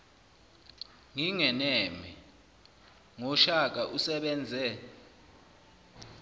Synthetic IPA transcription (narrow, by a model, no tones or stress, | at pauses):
ŋiŋɛnɛmi | ŋɔʃak̬aʔusɛɓɛnd͡zʱɛ